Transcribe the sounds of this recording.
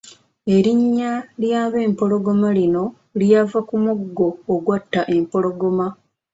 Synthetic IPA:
e̞ɾiɲːaljaːβe̞ːmpo̞ɾo̞ɡo̞malino̞ | ljavakumuɡɡo̞ːɡwatːaʔe̞mpo̞lo̞ɡo̞ma

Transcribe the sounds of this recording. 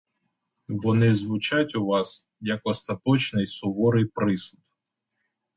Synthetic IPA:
ʋɔnɪzʋʊt͡ʃatʲʊʋɑs | jɐkɔst̪ɐt̪ɔt͡ʃnɪjsʊʋɔɾɪjpɾɪsʊd̪

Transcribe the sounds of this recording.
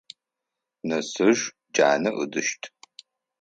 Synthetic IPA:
nɐsɨʒ | d͡ʒaːnɐʔɨdɨʃtʰʼ

